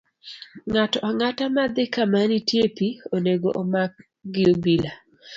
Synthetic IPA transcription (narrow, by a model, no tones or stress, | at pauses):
ŋatɔɔŋatamad̪ɪkamanitjepioneɡoʔomak̚ | ɡɪobila